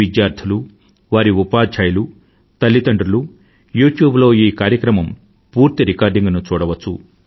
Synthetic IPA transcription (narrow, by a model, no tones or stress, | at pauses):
id͡ʒjaːɾt̪ʰilu | ʋaːɾiupaːd͡ʒʰɐːjlu | t̪ɐlːit̪ɐɳɖɾulu | juːʈjuːblo̞ːiːkaːɾjɐkɾɐmɐm | puːɾt̪iɾikaːɾɖiŋɡnut͡ʃuːɽɐʋɐt͡ʃːṵ